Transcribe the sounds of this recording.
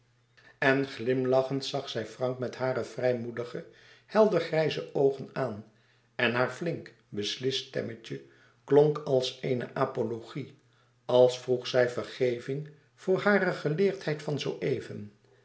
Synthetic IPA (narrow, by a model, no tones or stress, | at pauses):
ɛnχlɪmlɑχəntsɑχsɛjfrɑŋkmɛtɦaːɾəvrɛjmudəχə | hɛlˠdəɹχrɛjzəʔowχənaːn | ɛnɦaːɹflɪŋk | bəslɪstɛ̰məcə | kloŋkɑlˠsejnə̰ʔaːpoloχi | ɑlˠsfruχsɛjvəɹχejvɪŋ | v̥ʊːɹɦaːrəχəlɪːɹtɦɛjtfɑnzowʔejvən